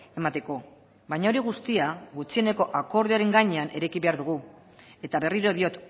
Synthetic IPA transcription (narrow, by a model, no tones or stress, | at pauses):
e̞mat̪e̞ko̞ | bajɲao̞ɾiɣ̞ust̪iaɣut͡sie̞ne̞ko̞ʔako̞ɾðiaɾe̞ŋɡaɲe̞anʔe̞ɾekiβe̞aɾðuɣ̞u | e̞t̪aβe̞riɾo̞ðio̞t̪